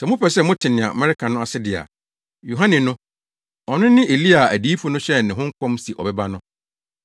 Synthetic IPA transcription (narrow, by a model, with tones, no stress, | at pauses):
sɛ˨mʊ̃˦pɛ˨sɛ˦mʊ̃˦tʰɪ˨nɪ̃˨ã̰˨mɛ˦ɾɪ˦kʰã˨nʊ̃˦a˨sɪ˦dɪ˨a̰˨ | jo˨ɦã˦nɪ̃˨nʊ̃˦ | ɔ˨nɪ̃˦nɪ̃˦ʔe˨li˦a˨æ˨diː˨˦fʊ˦nʊ̃˦ɕɛ˦nɪ̃˨ɦʊ̃˦ŋ̩˦kʰɔ̃˦msi˨ʔɔ̰˨bɛ˦ba˦nʊ̃˦